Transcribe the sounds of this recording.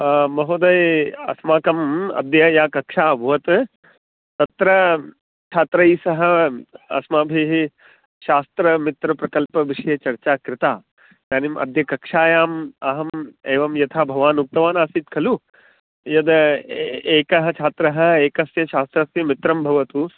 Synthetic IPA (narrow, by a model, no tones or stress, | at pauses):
mɐɦuːd̪ɐjɐ̰smaːkɐmɐ̰d̪jɐjaːkɐkʂaːbʱɐʋɐt̪ | t̪ɐt̪ɾɐ | t͡ʃʰaːt̪ɾɐisɐɦɐ̆ɐ̰smaːbʱiːɦ | ʃaːst̪ɾɐmɪt̪ɾɐpɾɐkɐlpɐʋiʂɐjɐt͡ʃɐɾt͡ʃaːkɾɪt̪aː | jaːnimʔɐ̰d̪jɐkɐkʂaːjaːmɐɦɐmeːʋɐmjɐt̪ʰaːbʱɐʋaːnuk̚t̪ɐʋaːnaːsit̪̚kʰɐlu | jɐd̪ | eːkɐɦɐ̆t͡ʃʰaːt̪ɾɐɦɐ̆eːkɐsjɐʃaːst̪ɾɐsjɐmɪt̪ɾɐmbʱɐʋɐt̪u